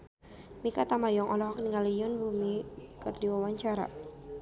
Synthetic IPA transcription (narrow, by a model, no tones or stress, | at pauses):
mikat̪amajɔŋʔɔlɔhɔkniŋalijɔnbumikərdiwawaɲt͡ʃaɾa̰